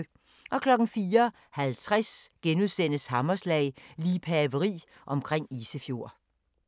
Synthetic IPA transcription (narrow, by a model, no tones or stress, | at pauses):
ʔɒ̽kʰlɒ̽ɡ̥n̩fiːɐ | hælt͡sʰʁasɡ̥enuðˠsen̰əshɑ̈mɐslɛ̰ɪliːpʰæɐʋəʁḭːʔɒ̽mkʰʁeŋ̰iːsəfjo̝ɐ̰